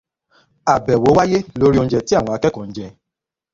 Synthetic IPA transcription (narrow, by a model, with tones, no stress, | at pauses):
a˨bɛ˨wo˨˦wa˦je˦lo˦ɾi˦o˧n̩˦d͡ʒɛ˧ti˦a˦˨w̃ɔ̃˧a˧kɛ˦kɔ̃˨n̩˦d͡ʒɛ˧